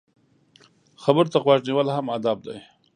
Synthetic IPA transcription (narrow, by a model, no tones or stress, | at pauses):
xabəɾt̪aɣwɑʃniwəlhamad̪ab̚d̪a̰j